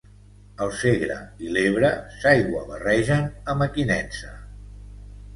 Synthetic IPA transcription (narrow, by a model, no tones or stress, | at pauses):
əlˠseɣɾə̰ileβ̞ɾəsajɣwəβərɛʒənəməkinɛnsə